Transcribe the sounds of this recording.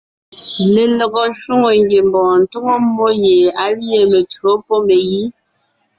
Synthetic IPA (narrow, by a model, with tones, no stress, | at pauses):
le˨lɔ˨ɡɔ˨ʃu˦ŋo˨ŋɡje˨mbɔ̃ː˨n̩˨to˦ŋo˦mo˦je˨a˦wje˨me˨tɰo˨˦po˦me˨ji˦